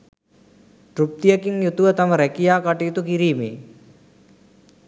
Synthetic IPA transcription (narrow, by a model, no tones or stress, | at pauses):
ʈrup̚t̪ijəkiŋjut̪uʋət̪aməɾækijaːkaʈijut̪ukiɾiːmeː